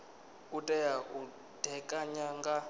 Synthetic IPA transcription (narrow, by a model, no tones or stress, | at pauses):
kutʼɛjau | d̥ʱɛkʼaɲaŋɡa